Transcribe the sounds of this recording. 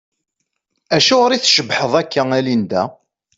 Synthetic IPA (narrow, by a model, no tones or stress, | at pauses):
æʃæɾiθʃəbħəðˤækːæælind̪æ̰